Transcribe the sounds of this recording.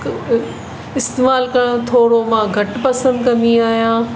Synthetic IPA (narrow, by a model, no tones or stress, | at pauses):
ɪst̪eːmaːlkɐɽ̃t̪ʰoːɽomãːɡʱɐʈpɐsə̃nd̪kɐ̃niaːɦijãː